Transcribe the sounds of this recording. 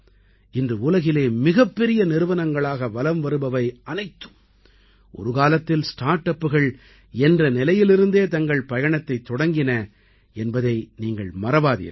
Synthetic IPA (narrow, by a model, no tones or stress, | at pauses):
ɪndrɯʊlɐɣɪleːmɪɣɐpːɛɾɪjɐnɪɾɯʋɐnɐŋɡɐɭaːɣɐʋɐlɐmʋɐɾɯbɐʋɐɪʔɐnɐɪt̪ːɯ̥m | ʔɔ̰ɾɯɣaːlɐt̪ːɪlsʈaːɾʈɐpːɯɣɐɭ | ɛndrɐnɪlɐjɪlɪɾɯnd̪eːt̪ɐŋɡɐɭpɐjɐɳɐt̪ːɐɪt̪ːɔɽɐŋɡɪnɐ | ɛnbɐðɐɪniːŋɡɐɭmɐɾɐʋaːðḭːɾ